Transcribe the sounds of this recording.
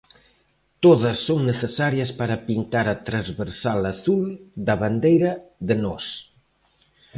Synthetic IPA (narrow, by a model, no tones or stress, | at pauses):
t̪oðɐsːoŋneθesaɾjɐspaɾɐpint̪aɾɐt̪ɾazβeɾsalaθuld̪ɐβand̪ejɾɐðenɔs